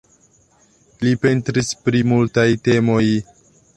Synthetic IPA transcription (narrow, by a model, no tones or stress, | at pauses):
lipe̞ntɾispɾimultajte̞mo̞j